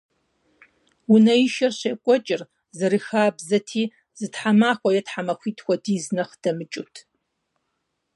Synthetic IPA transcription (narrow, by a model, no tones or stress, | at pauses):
wʊnɐiʃɐrɕɐkʷʼɔt͡ʃʼɪr | zɐɾɨxaːbzɐtʰiː | zɨtħamaːxʷɔjɛtħamɐxʷiːtʰʼxʷɔdiːznɐχd̥ɐmɨt͡ʃʼʊtʰ